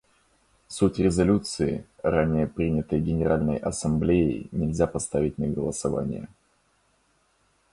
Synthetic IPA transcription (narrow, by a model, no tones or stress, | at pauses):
sutʲɾʲɪzɐlʲut̪sɨɪɾanʲɪjəpɾʲinʲɪt̪əjɡʲɪnʲɪɾʔalʲnə̰jʔɐsɐmblʲejɪ̰nʲɪlʲzʲapɐst̪avʲɪt̚ʲnəɡəlˠəsɐva̰nʲɪ̰jə̰